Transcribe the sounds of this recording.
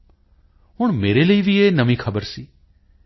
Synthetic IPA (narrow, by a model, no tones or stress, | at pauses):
hʊɳ̃meːɾeləiʋʱienɐʋĩkʰɐbəɾsiː